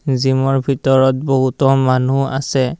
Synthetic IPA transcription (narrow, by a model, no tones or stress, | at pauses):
zimɔɹbʱitɔɹɔt̚boɦutɔmanua̰sɛ